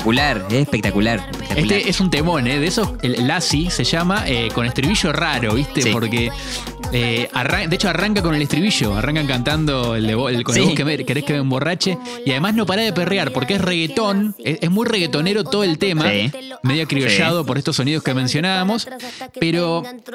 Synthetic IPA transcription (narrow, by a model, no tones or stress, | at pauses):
kulaɾesespek̚t̪akulaɾepek̚t̪aeueʔesunt̪emo̞neðesoelasiseʒamaʔeko̞nest̪ɾiβiʃo̞raɾo̞βist̪eppo̞ɾke | earaŋd̪eet͡ʃoaraŋkako̞nelet̪ɾiβiʃo̞̰a̰raŋkaŋkant̪and̪oeld̪eβokonokeeke̞ɾe̞hkeβeumbo̞rat͡ʃe | iaðe̞mazno̞paɾaðep̬erjaɾpo̞ɾkeesreɣet̪o̞neezmujre̞ɣet̪o̞neɾo̞t̪oðoelt̪e̞mameðjoakɾioʃað̞o̞po̞ɾest̪osːo̞nið̞o̞ske̞mensjo̞naβamo̞speɾo̞